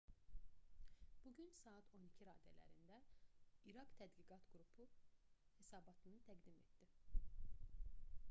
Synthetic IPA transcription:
b̥uɟynsɑːɑt̪ʰo̞nicʰiɾɑːd̪æ̰læ̰ɾind̪æiɾɑkt̪ʰæd̪ɡiɡɑt̪ɡɾupʰuhe̞sɑːbɑt̪ʰɯnɯt̪ʰæɡd̪ime̞̰t̪d̪̥i

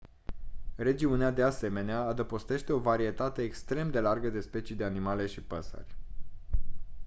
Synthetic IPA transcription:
re̞d͡ʒiunead̪ease̞me̞neaːd̪əpo̞st̪e̞ʃt̪e̞o̞vaɾie̞t̪at̪e̞ːkst̪ɾe̞md̪e̞larɡəd̪e̞spe̞t͡ʃid̪e̞animale̞ʃipəsə̰rʲ

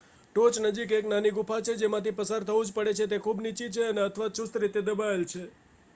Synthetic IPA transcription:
ʈot͡ʃnəd͡ʒikeknaniɡupʰat͡ʃʰed͡ʒemãt̪ipəsaɾt̪ʰəʋũd͡ʒpəɽet͡ʃʰet̪̬ekʰubnit͡ʃit͡ʃʰeəneət̪ʰəʋaʃust̪ɾit̪ed̪əbaelt͡ʃʰe

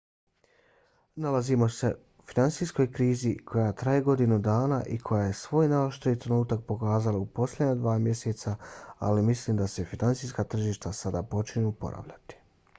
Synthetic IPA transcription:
nalazimo̞se̞ | finant̪sisko̞jkɾiːzikʰo̞jat̪ɾajeɡo̞d̪inud̪aːnaʔikʰo̞jaːje̞sʋo̞ːjnaoʃt̪eit̪ɾe̞nuːt̪ak̚po̞kaːzalaupo̞slʲedɲad̪ʋaːmje̞set̪saa̰limisliːmd̪ase̞finant̪sijskat̪r̩ʒiːʃt̪asad̪apo̞t͡ʃiɲeupo̞̰ɾʔa̰ʋʎa̰t̪i̥

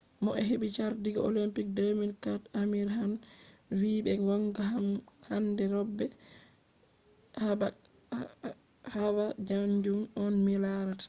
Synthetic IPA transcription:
mɔʔɛ̰ɦeɓit͡ʃaɾdiɡɔʔo̰limpik̚domilkatamiɾɦanwiːbɛwɔŋɡaahandɛɾɔbːɛ | haba | hawad͡ʒaɲd͡ʒumɔnmilaɾat

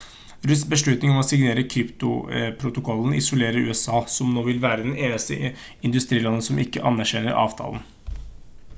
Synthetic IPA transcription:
ɾʉsbəʂɭʉt̪nɪŋɔmɔsɪɡneːɾəkʰɾɪpt̪ʊ̰pʰɾʊt̪ʊkʰɔlːn̩ɪ̰sʊleːɾəɾʉ̰ːɛsɑːsɔmnoːʋɪlʋæːɾəd̪ɛneːnəst̪ə̰ | ɪnd̪ʉst̪ɾiːlɑnːəsɔmɪkːəʔɑ̰nːæɾɕɛnəɾʔɑ̰ːʋt̪ʰɑ̰ːln̩

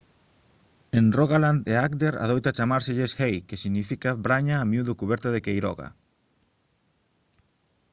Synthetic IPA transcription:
enroɣaland̪eakd̪eɾa̰ð̞ojt̪at͡ʃamaɾsɪʎeshejkesiɣnifikabɾaɲaːmjuðʊkuβɛɾt̪aðekejɾɔ̰ɣa̰

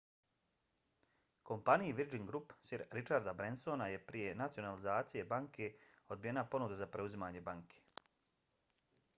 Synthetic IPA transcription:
ko̞mpanijiʋid͡ʒiŋɡɾupsiɾɾit͡ʃaɾd̪abɾenso̞naje̞pɾije̞nat̪sio̞nalizaːt̪sije̞baŋkʰe̞o̞d̪̚bije̞napo̞nud̪uzapɾe̞uzimaːɲe̞baŋkʰe̥

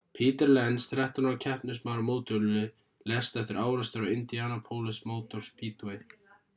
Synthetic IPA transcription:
pʰiːt̪ɛɾlɛnsθɾɛht̪anacʰɛhpnʏsmaɾmoːwt̪ʏɾlɪ | lɛst̪ɛft̪ɪɾaːwɾast̪ʏɾawɪnt̪ijaːnapʰoːwlɪsmoːwt̪ɔɾ̥spʰiːt̪ue

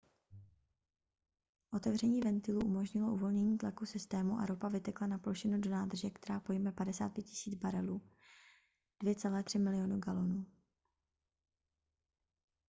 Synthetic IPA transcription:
ʔo̞t̪ɛvrɛɲiːvɛnt̪ɪluʔumo̞ʒɲɪlo̞ʔuvo̞lɲɛɲiːt̪lakusɪst̪ɛːmuʔa̰ɾo̞pavɪt̪ɛklanaplo̞ʃɪnudo̞naːd̪r̩ʒɛkt̪ɛɾaːpo̞jmɛpadɛsa̰ːt̪pjɛt̪cɪ̥siːd͡zbaɾɛluː | d̥vjɛt͡sɛlɛːt̪r̝̥ɪmɪlɪjo̞nuɡalo̞nuː

